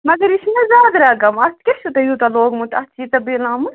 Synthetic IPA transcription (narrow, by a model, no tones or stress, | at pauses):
mɐɡɐɾisnɐzaːd̪ɾɐɡɐmɐskʲesut̪ɐjut̪ɐloːɡmut̪ɐt͡ʃʰit̪ɐbiːlãːmu